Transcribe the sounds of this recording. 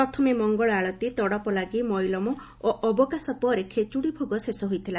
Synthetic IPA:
pɾɔt̪ʰɔmemɔŋɡɔɭaɭɔt̪it̪ɔɽɔpɔlaɡimɔjlɔmɔ | oʔɔbɔkasɔpɔɾekʰet͡ʃuɽibʱoɡɔsesɔɦojt̪ʰila

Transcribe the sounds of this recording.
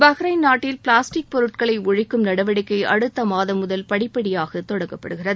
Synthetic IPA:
bɐɣɾɐɪnaːʈːɪlpɭaːsʈɪk̚pɔɾɯʈ̚kɐɭɐɪʊɻɪkːɯmnɐɽɐʋɐɽɪkːɐɪʔɐɽɯt̪ːɐmaːðɐmʊðɐlpɐɽɪpːɐɽɪjaːɣɐt̪ɔɽɐŋɡɐpːɐɽɯɣɪrɐðɯ

